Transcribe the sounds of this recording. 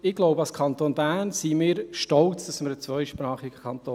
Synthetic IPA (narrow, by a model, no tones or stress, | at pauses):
ɪɡ̥lɔʊbəɑskʰɑnt̪oːnbæːnsimɪːɾʃtɔlt͡sd̥ɑsməɾət͡sʋœʏʃpɾɑːχiɡ̥əkʰɑnt̪oː